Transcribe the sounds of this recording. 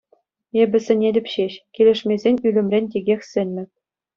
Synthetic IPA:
ebʲɘ̆sʲɘ̆nʲelʲɘ̆pɕeɕkʲelʲɘ̆ʂmʲezʲenʲylʲɘ̆mʲrʲenʲtʲeɡʲexʲsʲɘ̆nʲːɘ̆p̚ʲ

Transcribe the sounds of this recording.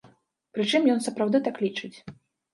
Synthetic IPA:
pɾɨt͡ʂɨmjɔnsɐpɾawd̪ɨt̪aklʲit͡ʂɨt͡sʲ

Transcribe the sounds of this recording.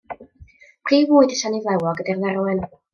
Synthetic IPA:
pʰr̥iːvʊːɨdəʃanivlˠɛwɔɡədarðɛɾwɪn

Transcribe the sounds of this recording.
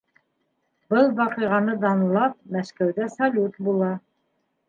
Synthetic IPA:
bɤlˠβɑqɤ̆jʁɑnɤd̪ɑnɤ̆lˠɑp̚mæʃkæwðæsɐlʲut̪bulˠɑ

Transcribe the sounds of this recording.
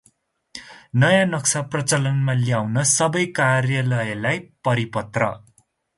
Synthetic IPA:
nʌjãnʌksaprʌt͡sʌlʌnmaljawnʌsʌbʌjkarjʌlʌjʌlajpʌɾipʌt̪rʌ̰

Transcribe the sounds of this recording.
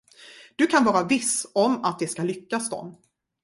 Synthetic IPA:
d̪̥ɵkʰanvɑːɾavɪsɔmat̪̚d̪ɛskalʏkːasd̪ɔ̰m

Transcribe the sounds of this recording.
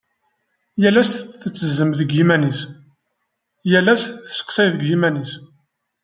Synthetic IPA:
jælæsθθət͡sːəzːəmðəɡjimænis | jælːæsθə̥sːə̥qsæjθəɡjimænis

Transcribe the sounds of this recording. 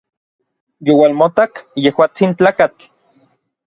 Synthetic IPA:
jowalmot̪akjehwaːt͡sint͡ɬaːkat͡ɬ

